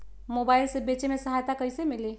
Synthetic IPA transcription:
mobailsebet͡ʃemesəɦajt̪akəjsemile

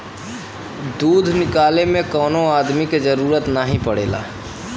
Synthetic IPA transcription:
d̪uːd̪ʱnɪkaːlemẽkɔːnoaːd̪miked͡ʒəɾuːɾət̪naːɦĩpəɽḛːla̰ː

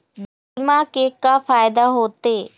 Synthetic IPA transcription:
b | mãːkeːkaːpʰaːjɪd̪aːɦoːt̪eː

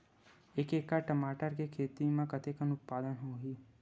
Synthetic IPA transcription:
eːkeːkːaʈɐmaːʈəɾkekʰeːt̪imẽkət̪ekənʊt̪̚paːd̪ənɦoːɡiː

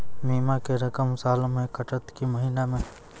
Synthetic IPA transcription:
miːmakeɾɐkəmsaːlomẽːkəʈət̪kiməɦiːnamẽː

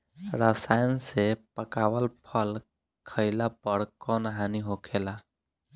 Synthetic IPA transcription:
ɾəsajənsepəkawəlpʰəl | kʰəɪlapəɽkɔnɦaniɦokʰela

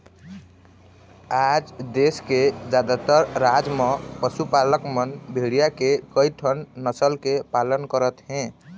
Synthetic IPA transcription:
ad͡ʒd̪esked͡ʒad̪at̪əɾɾad͡ʒmẽpəsupaləkmənbʱeɽijakekəjʈʰənːəsəlkepalənkəɾət̪ɦɛ̃

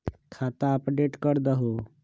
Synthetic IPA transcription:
kʰaːt̪aəpɖeʈkəɾd̪əɦo

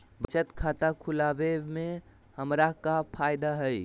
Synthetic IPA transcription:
bət͡ʃət̪kʰat̪akʰulabemẽ | həmɾakapʰajd̪aɦəj

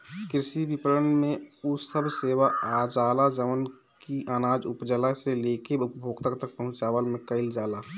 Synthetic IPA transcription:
kɪɾsibipəɾənmẽusəbʱseːʋaad͡ʒaːlad͡ʒəʋən | kiʔanaːd͡ʒʊpd͡ʒəlaseleːkeʊpbʱoːɡt̪əkt̪ək̚pəɦʊ̃t͡ʃaːwəlmẽkəɪld͡ʒaːla

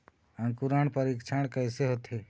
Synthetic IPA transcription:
ə̃ŋkuɾaɳpəɾikt͡ʃʰaɳ̃kəɪseɦoːt̪e

